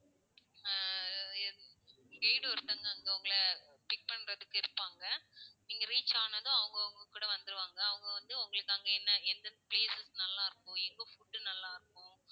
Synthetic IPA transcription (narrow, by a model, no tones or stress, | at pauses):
ɡɐɪɽɯɔɾɯt̪ːɐŋɡɐŋɡɐʊŋɡɐɭɐ | pɪk̚pɐɳɾɐðɯkːɪɾɯpːaːŋɡɐniːŋɡɐɾiːt͡ʃːaːnɐðʊ̃ɐʋɯŋɡɐʊŋɡɐkːuːɽɐʋɐnd̪ɯɾɯʋaːŋɡɐːʋɯŋɡɐʋɐnd̪ɯʊŋɡɐɭɯkːaːŋɡɐɛnːɐɛnd̪ɐnpleːsɛsnɐlːaːɪɾɯkːʊ̃ɛŋɡoːfʊʈːɯnɐlːaːɪɾɯkːʊ̃